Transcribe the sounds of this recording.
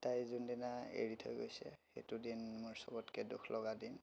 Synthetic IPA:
tajzundinaḛɹitʰo̰jɡojsɛ̰xḛtudinmɔɹsɔ̰bɔtkɛdṵkʰlʔɔɡadin

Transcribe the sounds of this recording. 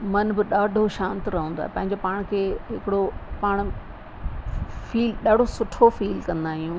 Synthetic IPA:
mɐnbɪɗaːɖʱoʃãːnt̪ɾɐɦə̃ːnd̪o̰ːɦepɐ̃ɦɪ̃ɲd͡ʑopaːɽ̃kʰeːɦɪkɪɽopaːɽ̃ | fiːlɗaːɖʱosʊʈʰofiːlkɐ̃nd̪aːɦijũː

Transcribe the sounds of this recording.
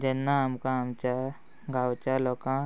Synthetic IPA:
d͡ʒenːãɐmkãmt͡ʃa | ɡawt͡ʃalɔkã

